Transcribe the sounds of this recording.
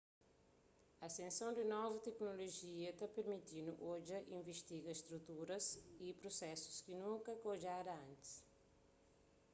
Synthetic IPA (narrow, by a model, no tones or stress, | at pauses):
ɐːsẽnsɐ̃wd̪ɪnɔvɐt̪ɛknoloʒiɐt̪apeɾmit̪inuʔoʒɐʔĩɱviʃt̪iɡɐʃt̪ɾut̪uɾɐzipɾosɛsu̥skinũŋkɐkoʒaɾɐɐ̃nt̪i̥s